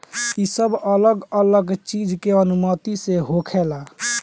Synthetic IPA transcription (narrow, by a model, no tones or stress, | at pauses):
isəbʱələɡələɡt͡ʃid͡ʒʱkeənumət̪iseɦokʰɛla